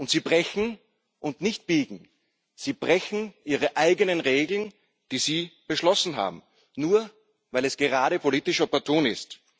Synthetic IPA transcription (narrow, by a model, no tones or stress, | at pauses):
ʔʊntz̥iːbʁɛçn̩ | ʔʊntnɪçt̚b̥iːɡŋ̩ | z̥iːb̥ʁɛçn̩ʔiːʁəʔaɪɡənənʁeːɡl̩n | d̥iːziːb̥əʃlɔsn̩ɦa̰ːbm̩ | nuːɐ | vaɪlɛsɡ̥əʁaːɾəpʰoliːtɪʃopɛɐtʰoːnɪst